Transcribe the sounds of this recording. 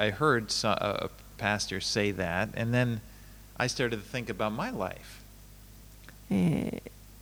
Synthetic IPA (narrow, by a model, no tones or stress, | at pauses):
aɪhɜ˞dsʌə̰ə̰ | pʰæstə˞seɪðætɨ̰̃nðɨ̃n | ʔaɪstɑɹɾɨdtʰɨθɪ̃ŋkɨbaʊt̚maɪla̰ɪf